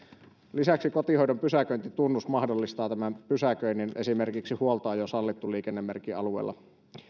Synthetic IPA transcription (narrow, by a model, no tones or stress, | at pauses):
lisæksikot̪ihojdompysækøint̪it̪unːusmɑhdolːist̪ɑːt̪æmæmpysækøinine̞̰simerkiksihuolt̪ɑːjosɑlːit̪ːuliːkenːemːerkːiɑ̰luḛlˑːɑ̰